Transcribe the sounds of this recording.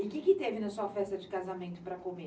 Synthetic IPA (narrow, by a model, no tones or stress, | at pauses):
ɪkɪkɪt̪evɪnɐsuɐfɛst̪ɐd͡ʒɪkazamẽnt̪ʊpɾɐkome